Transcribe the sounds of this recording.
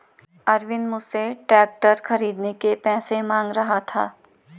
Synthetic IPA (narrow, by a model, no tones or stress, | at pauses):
ɐɾʋɪnmʊseʈɾɛːk̚ʈəɾxɐɾiːd̪nekepɛːsemãːŋɡɾɐɦat̪ʰa̰ː